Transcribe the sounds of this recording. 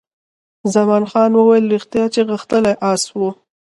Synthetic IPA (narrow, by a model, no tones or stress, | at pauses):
zamɑnxɑnwəwajəlɾixt̪jɑt͡ʃeɣəxt̪əlajʔɑswo